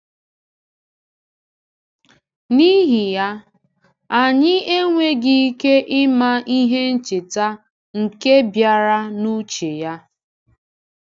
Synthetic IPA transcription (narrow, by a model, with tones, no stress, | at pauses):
ni˦ɦɪ˨ja˦ | a˨ɲɪ˦e˦ŋʷe˦ɡɪ˦i˦ke˦ʔɪ˦ma˦ʔi˦ɦe˦n̩˦t͡ʃɪ˨ta˦ | ŋ̩˨ke˦bja˨ɾa˦nu˦t͡ʃe˨ja˦